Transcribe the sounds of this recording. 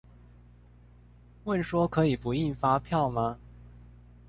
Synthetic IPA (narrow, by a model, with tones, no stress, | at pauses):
wə˥˩nʂwɔ˥kʰɤ˧˥i˨˩fu˨˧˥i˥˩nfa˥pʰjɑ˥˩ʊmɐ˨